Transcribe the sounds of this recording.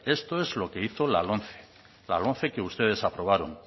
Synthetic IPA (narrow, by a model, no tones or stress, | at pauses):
e̞st̪o̞ezlo̞ke̞iθo̞la̰lonθe̥ | la̰lõ̞n̟θe̞ke̞ust̪e̞ð̞e̞sapɾo̞β̞aɾo̰ŋ